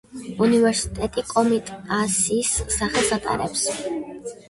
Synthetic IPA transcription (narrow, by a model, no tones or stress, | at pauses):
univɛɾsi̥t̪ʼɛt̪ʼikʼɔmit̪ʼasiːsːaχɛlˠsat̪ʼa̰ɾɛ̰ps